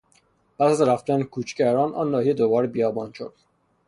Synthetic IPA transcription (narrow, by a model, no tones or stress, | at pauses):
pʰæsæzɾæft̪ænekʰuːt͡ʃʰcæɾɒːnʔɒ̰ːnːɒːhijed̪obɒːɾbijɒːbɒːnʃo̰d̪̥